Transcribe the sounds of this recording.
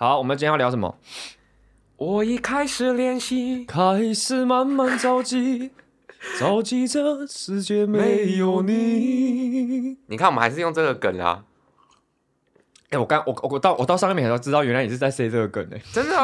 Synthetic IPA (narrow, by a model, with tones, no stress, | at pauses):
hɑ˨˦ʊwɔ˨˩mənə˩t͡ɕjjɑ˥˩ljɑ˧ʊʂə˨˦mə̰˦˩ | wʔɔ˨˩i˧˩kʰa˥ɪʂɻ̩˨˩ljɛ˥˧nɕi˧kʰa˥ɪʂɻ̩˥˧ma˧˦nma˧˥nt͡sɑ˦ʊt͡ɕi˧ | t͡sɑ˦ʊt͡ɕi˥də˨ʂɻ̩˧˦t͡ɕjɛ˥me˧˦ɪjo˨˩ʊni˨˧˩ | ni˨kʰa˥˩nwxa˧˦ʂɻ̩˥˧jo˥˧ŋt͡sʈ͡ʂə˥˩ɡə˨kə̰˨˩nɐ̰˨ | e˥˩wɔ˨˩ka˥nwɔ˨˩ɔ˨˩˨t̪ʔɔ˨t̪ɑ˥˧ʂɑ˥˧˥ʈ͡ʂɻ̩˥t̪ɑ˥ʊɥɛ˧˥nla˧ɪjɛ˨˩ʂɻ̩˥˧t͡sa˥˩ɪse˥ɪt͡sə˥˩ɡə˩kə̰˨˩nḛ˨˦ʈ͡ʂə˦˥nd̪ə˨